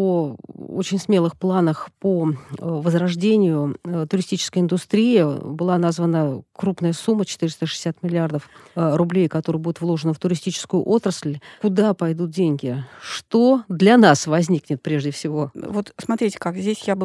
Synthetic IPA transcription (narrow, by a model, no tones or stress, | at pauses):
oo̰t͡ɕɪnʲsmʲe̞lˠɨxplˠanəxpovəzɾɐʐdʲenʲɪjʊt̪ʊɾʲɪsʲtʲit͡ɕɪ̥skəjɪnd̪ʊst̪ɾʲijɪbɨlˠanazvənəkɾupn̪əjəsumːət͡ɕɪ̥t̪ɨɾʲɪst̪əʂɨ̥ɪsʲːat̪mʲɪlʲɪard̪əfrʊblʲejkɐt̪oɾɨjbudʲɪt̪vlˠo̞ʐənəft̪ʊɾʲɪsʲtʲit͡ɕɪ̥skʊjʊʔo̞t̪ɾəsʲlʲkʊd̪apɐjd̪ut̪̚dʲenʲɡʲɪʂt̪od̪lʲɐnasvɐzʲnʲiknʲɪt̪̚pɾʲeʐdʲɪfsʲɪvo̞vo̞t̪smɐt̪ɾʲitʲɪ̥kakzʲdʲesʲjab